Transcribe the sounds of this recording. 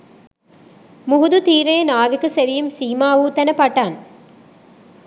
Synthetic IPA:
mʊɣʊðɯt̪iːɾeːnaːʋɯkːɯsɛʋɪjɯmsiːmaːʋuːt̪ɐnɐpːaːʈːaːn

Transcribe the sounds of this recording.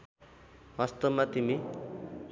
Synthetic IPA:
ɦʌst̪ʌmːat̪imi

